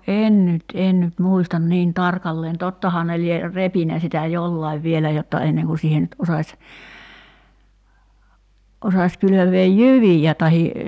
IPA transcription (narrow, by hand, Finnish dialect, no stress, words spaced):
en nyt en nyt muistɑn niːn tɑrkɑlːeːn totːɑhɑː ne lie repinæ sitæ jolːɑiʋ ʋielæ jotːɑ enːeŋ ku siːhe nyt osɑsʲ osɑs kyløʋeːj jyʋijæ tɑhi